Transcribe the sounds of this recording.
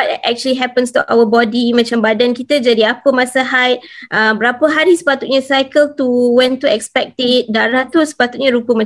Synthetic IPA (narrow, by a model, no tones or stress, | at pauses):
atʔɛ̰k̚t͡ʃuəliɦɛpənst̪uʔa̰wəbɔdimãt͡ʃambadankit̪əd͡ʒadiapəmãsəɦajt̪̚ʔəbəɾapəɦaɾisə̥pat̪ut̪̚ɲãsajkəlt̪uwɛ̃nt̪uɛkspɛk̚t̪ɪt̪̚daɾaht̪usə̥pat̪ut̪̚ɲãɾupəmã